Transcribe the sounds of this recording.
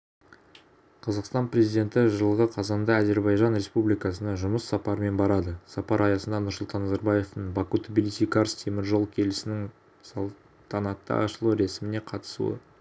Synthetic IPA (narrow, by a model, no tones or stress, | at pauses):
qʰɑzɑqst̪ɑnpɾe̞zid̪ʲe̞nt̪ɪʒəlˠəʁəqʰɑzɑnd̪ɑæze̞ɾbɑjʒɑnɾe̞spublijkɑsənɑʒʊməsːɑpɑɾəme̞nbɑɾɑd̪əsɑpɑɾɑjɑsənd̪ɑnʊɾsʊlˠt̪ɑnːɑzɑɾbɑje̞ft̪əɴbɑkut̪obʲilisijkaɾst̪ʰe̞mɪɾʒolˠkʲʰe̞lɪsɪnɪŋ | sɑ | t̪ʰɑnɑt̪ːə̰ɑ̰ʃəlˠuɾe̞sɪmɪne̞qʰɑt̪ə̥sṵə̰